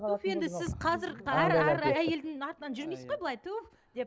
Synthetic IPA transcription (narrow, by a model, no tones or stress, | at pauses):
t̪ʰofje̞nd̪ɪsɪzqʰɑzɪɾæɾææɾæje̞ld̪ɪŋɑɾt̪ənɑnʒʏɾmejsɪzʁojbəlˠɑjt̪ʰuf | d̪e̞p